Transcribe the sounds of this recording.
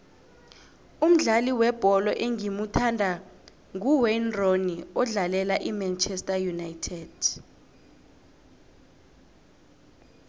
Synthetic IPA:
um̩ɮaliwɛb̥ʱɔlɔʔeŋimutʰandʱa | ŋuwɛnroniɔɮalɛlaʔimant͡ʃʰʼɛstʼajunajtʰɛd̥

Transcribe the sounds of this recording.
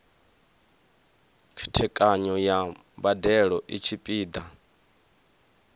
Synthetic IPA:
t͡ʃʰi̥tʰɛkʼaɲɔjambadɛɺɔʔit͡ʃʰipʼiːd̪a

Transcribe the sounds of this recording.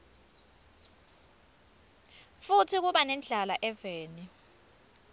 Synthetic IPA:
futʰik̬uɓanɛnd͡ɮʱalaʔɛveːni

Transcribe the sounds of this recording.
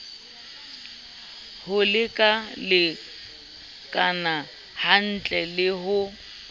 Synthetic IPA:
hʊlɪkʼalɪ | kʼana | han̩t͡ɬʼɛlɪɦʊ

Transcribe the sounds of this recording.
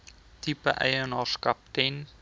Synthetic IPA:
tipəʔɛ̰jənɑːskɐp̚tɛn

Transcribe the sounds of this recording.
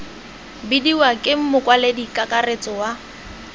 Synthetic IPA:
bidiwakʼɪm̩mʊkwaledikʼakʼaret͡sʼɔwa

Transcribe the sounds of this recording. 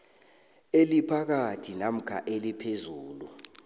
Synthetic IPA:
elipʰak̬atʰinam̩kʰa̰ʔelipʰezuːlṵ

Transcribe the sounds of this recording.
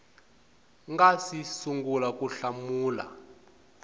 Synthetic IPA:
ŋɡasisuŋɡulakʼuɬamuːla̰

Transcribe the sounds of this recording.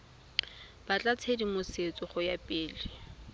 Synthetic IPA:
b̥at͡ɬʼat͡sʰedimoset͡sʼɔχʊjapʼɪːlɪ

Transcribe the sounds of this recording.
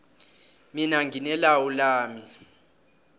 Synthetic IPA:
minaŋɡʱinɛlawulaːmi

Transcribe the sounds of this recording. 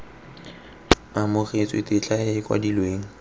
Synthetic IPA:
amʊret͡sʼwḛtʼɪt͡ɬʼaɪɪkʼwa̰dilweːŋ̩

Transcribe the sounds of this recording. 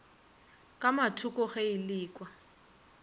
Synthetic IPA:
kʼamatʰukʼɔχailiːkʼwa

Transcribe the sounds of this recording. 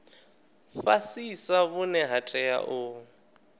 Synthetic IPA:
fasisaβʊnɛɦatʼɛja̰ʔʊ

